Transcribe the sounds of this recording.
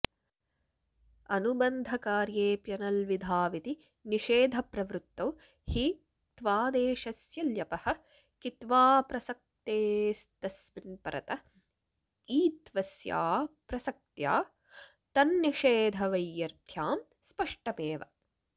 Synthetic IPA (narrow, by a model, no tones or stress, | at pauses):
ɐnubɐnd̪ʱɐkaːɾjeːpjɐnɐlʋid̪ʱaːʋit̪i | niʃeːd̪ʱɐpɾɐʋɾut̪ːɐw | hi | t̪ʋaːd̪eːʃɐsjɐljɐpɐhɐ̆ | kit̪ʋaːpɾɐsɐk̚t̪eːst̪ɐsminpɐɾɐ̰t̪ɐ | iːt̪ʋɐsja̰ːpɾɐsɐk̚t̪ja̰ː | t̪ɐnːiʃeːd̪ʱɐʋɐjːɐɾt̪ʰjaːm | spɐʂʈɐmeːʋɐ̰